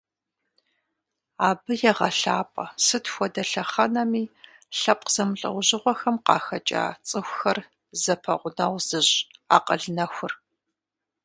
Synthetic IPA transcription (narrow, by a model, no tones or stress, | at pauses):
aːbɨjɛʁɐɬaːpʼɐsɨtʰxʷɔdɐɬɐχɐnɐmiː | ɬɐp̚ʼqz̥ɐmɬʼɐ̰wʑɪʁʷɔxɐmqɑ̰ːxɐt͡ʃʼa̰ːt͡sʼɨxʷxɐr | zɐpʰɐʁʷʊnɐwz̥ɨʑa̰ːqəɮnɐxʷʊr